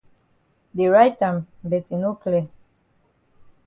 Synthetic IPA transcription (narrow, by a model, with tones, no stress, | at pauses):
de˨ɹa˦jtã˨mbɛ˨ti˨no˦klɛ˦˨